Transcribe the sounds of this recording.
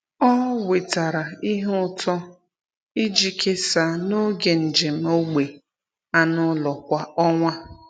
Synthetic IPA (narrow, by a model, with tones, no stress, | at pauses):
ɔ˦we˨ta˨ɾa˨i˦ɦʊ˦tɔ˦ | i˦d͡ʒi˦kʰe˦sa˨no˦ɡe˨n̩˨d͡ʒe˨m̩˦o˦ɡ͡be˨ | a˦nʊ˦lɔ˨kʷa˦ɔ˦ŋʷa˦